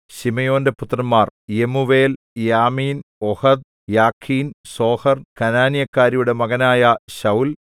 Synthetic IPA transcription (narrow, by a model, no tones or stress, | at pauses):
ɕimɐjo̞ːnde̞put̪rɐnmːaːrjemuʋe̞ːl | jaːmiːnohɐd̪̚ | jaːkʰːiːnso̞ːhɐrkɐnaːnjɐkːaːɾijuɽe̞mɐɣɐnaːjɐɕɐwl